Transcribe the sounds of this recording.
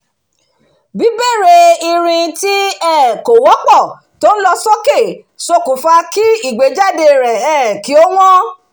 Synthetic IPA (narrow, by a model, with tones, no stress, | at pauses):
bi˨˦be˦˨ɾe˧i˧ɾ̃ĩ˧ti˦ɛ˦˨ko˨wɔ˨˦k͡pɔ˦˨ | to˦n̩˦lɔ˧sɔ˦ke˦˨ | so˧ku˨fa˧ki˦i˦˨ɡ͡be˨˦d͡ʒa˦˨de˧˨ɾɛ˨ɛ̃˦˨ki˨˦o˦w̃ɔ̃˦